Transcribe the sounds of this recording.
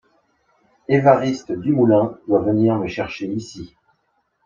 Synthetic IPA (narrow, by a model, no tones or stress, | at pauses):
evaʁist̪d̪ymulɛ̃d̪̥wavəniʁməʃɛʁʃeisi